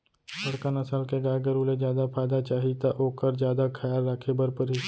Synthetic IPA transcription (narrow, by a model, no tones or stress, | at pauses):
sɐɽkanɐsalkeɡaːɡəɾuːled͡ʒjaːd̪apʰaːd̪at͡ʃaːɦit̪aʔoːkəɾd͡ʒjaːd̪akʰɐjaːlːakʰebɐɾpəɾi